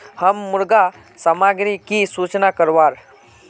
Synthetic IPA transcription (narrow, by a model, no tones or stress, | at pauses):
həmːuɾɡa | səmaɡɾikisut͡ɕnakəɾʋaɾ